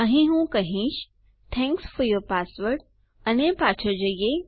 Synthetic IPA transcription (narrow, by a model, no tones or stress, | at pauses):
əɦĩɦũkəɦĩːʃ | t̪ʰɛ̃ŋksfɔɾjɔɾpasʋəɾʈ̚ | ɐnepat͡ʃʰəd͡ʒəje